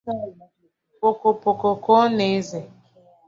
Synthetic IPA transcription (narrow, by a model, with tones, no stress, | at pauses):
po˨ko˨po˨ko˨ko˦ne˨˦ze˨